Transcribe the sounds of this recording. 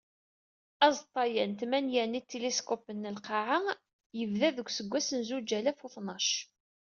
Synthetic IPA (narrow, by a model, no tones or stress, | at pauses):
æzˤt̪ˤːɑjænt̪mænjænit̪ːeleskopənːəlqɑʕa | jəvðæðəɡʷsəɡʷːæsənzud͡ʒælæfuθnɑʃ